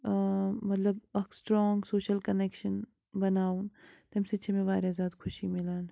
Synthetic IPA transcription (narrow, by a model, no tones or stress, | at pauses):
mɐt̪ləb̚ɐksʈɾɔːŋɡsoːʃəlkɐneːkʃən | bɐnaːuːnt̪ɦɐmset͡ʃʰemẽʋaːɾezaːd̪kʰʊʃimɪlaːn